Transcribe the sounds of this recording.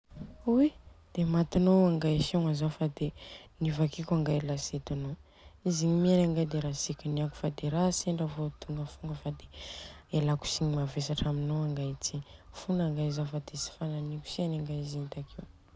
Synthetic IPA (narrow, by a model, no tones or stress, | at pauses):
id̪̥emat̪inowaŋɡaʃoŋazafad̪enivakikʲaŋɡalaset̪ano | iziɲimianaŋɡajd̪eɾasikʲiniaku̥fad̪eɾaseɳɖ͡ʐavot̪uŋɡəfuŋɡəfad̪eelaku̥siɲimavesaʈ͡ʂaminowaŋɡat͡sifunaŋɡazafad̪esi̥fananikʲu̥sianaŋɡazint̪akʰiw